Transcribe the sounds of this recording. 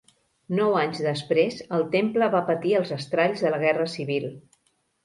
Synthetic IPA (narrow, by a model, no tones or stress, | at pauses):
nɔwaɲzðəspɾezəlˠt̪empləβapət̪iəlˠzəst̪ɾaʎzðələɣ̞ɛrəsiβilˠ